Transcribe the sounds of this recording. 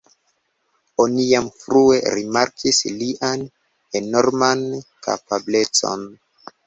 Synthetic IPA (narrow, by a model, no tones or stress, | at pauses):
onijamfɾue̞ɾimaɾkʰisliʔan | e̞no̞ɾmanka̰pable̞t͡so̞̰n